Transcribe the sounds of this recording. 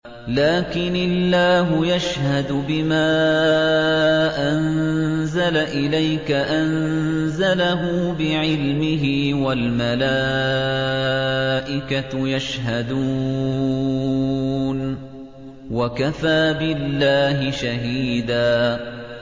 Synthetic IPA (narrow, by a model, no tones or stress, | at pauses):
laːkɪnalːaːɦʊjaʃhad̪bɪmaː | ʔanzalaʔɪlajkaʔanzalaɦʊːbɪʕɪlmɪɦɪwalmalaː | ʔɪkajaʃɦad̪u | n | wakafaːbɪlːaːɦɪʃaɦiːd̪aː